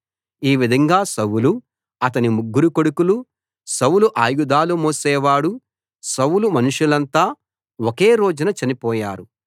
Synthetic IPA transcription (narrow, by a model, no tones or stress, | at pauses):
iːʋid̪ʱɐŋɡaːsɐwulu | ɐt̪̬ɐnimuɡːuɾukoɽukulu | sɐwuluʔaːjud̪aːlumoːsɛːʋaːɽu | sɐwlumɐnuʂulɐnt̪aː | woke̞ːɾo̞ːd͡ʒunɐt͡ʃɐnipɔːjaːɾu